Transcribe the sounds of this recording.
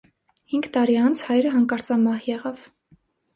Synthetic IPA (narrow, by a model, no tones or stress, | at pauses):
hiŋɡt̪ɑɾiɑnt͡sʰhɑjɾəɦɑŋkɑɾt͡sɑmɑhjɛʁɑv